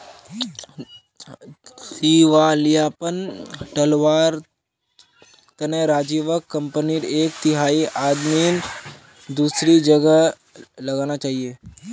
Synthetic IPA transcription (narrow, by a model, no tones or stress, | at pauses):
siːʋalijaːpənʈɐlʋaːɾ | t̪ɐnəɾaːd͡ʒiːʋəkːə̃mpəniɾeːk̚t̪ɪɦaːiʔaːd̪miːn | d̪uːsɾid͡ʒəɡə | lɐɡaːnat͡ʃaːɦieː